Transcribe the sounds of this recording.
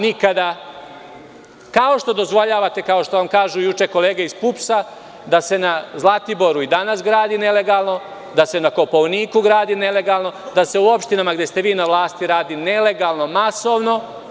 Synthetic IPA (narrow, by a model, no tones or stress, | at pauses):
nikad̪a | kao̞ʃt̪o̞d̪o̞zʋo̞ʎaːʋat̪e̞kao̞ʃt̪o̞ʋamkaːʒujut͡ʃe̞ko̞le̞ːɡeispupsa | d̪ase̞nazlˠat̪ibo̞ɾuid̪anas̬ɡɾaːd̪ine̞le̞ɡalˠno̞ | d̪ase̞nako̞poʋniːkuɡɾaːd̪ine̞le̞ɡalˠno̞d̪ase̞uo̞pʃt̪inamaɡd̪je̞st̪e̞ʋiːnaʋlˠaːst̪iɾaːd̪ine̞le̞ɡalˠno̞masoʋno̞